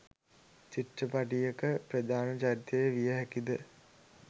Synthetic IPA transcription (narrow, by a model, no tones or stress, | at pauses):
t͡ʃiʈrəpaʈijekəprəd̪aːnɐt͡ʃaɾit̪əjeʋijəɦækid̪ə